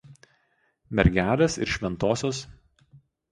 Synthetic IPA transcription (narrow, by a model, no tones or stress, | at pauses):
mʲɛɾʲɡʲæːlʲeːsɪ̰ɾʃʲʋʲɛnt̪oːsʲoːs